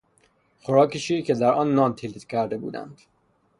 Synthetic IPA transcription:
xoɾɒːkʰeʃiːkʰed̪æɾɒːnːɒːnt̪ʰilit̪cʲʰæɾd̪e̞bṵːd̪æ̰nd̪̥

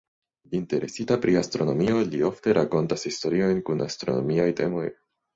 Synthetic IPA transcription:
inte̞ɾe̞sitapɾiastɾo̞no̞mio̞lio̞fte̞ɾʔako̞ntashisto̞ɾio̞jnkuna̰stɾo̞̰no̞̰miajte̞̰mo̞̰j

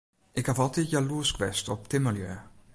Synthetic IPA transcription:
ʔɪkhafɑlˠtitjaluəskʋɛstɔp̚tɪməljø

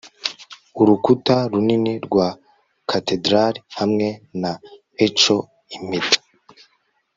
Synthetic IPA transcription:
uɾukutaɾuniniɾɡwa | kʰate̞dɾaɾihamŋe̞na | et͡ʃo̞ | imitḁ

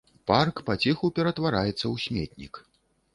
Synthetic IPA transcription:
parkpat͡sʲɛxupʲɛɾɐt̪vaɾajɛt̪sːɐwsʲmʲɛ̰t̪̚ʲnʲḭk

